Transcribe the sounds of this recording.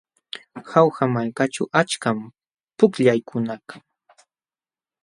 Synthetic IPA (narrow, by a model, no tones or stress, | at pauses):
xawxamaʎkat͡ʃawʔat͡ʃkam | pʊkʎajkʰʊnaka